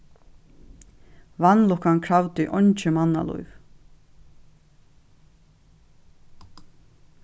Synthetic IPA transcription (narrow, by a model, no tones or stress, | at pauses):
vanːlʊkankʰɾawt̪iʔɔɲt͡ʃɪmanːa̰lṵjv